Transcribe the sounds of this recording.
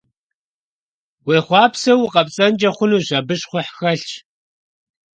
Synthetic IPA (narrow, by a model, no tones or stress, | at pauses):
weːχʷɑːpsɐwʊqʼɐpt͡sʼɐnd͡ʒɐχʷʊnuːɕɐbɨɕχʷʊħxɐɬt͡ʃ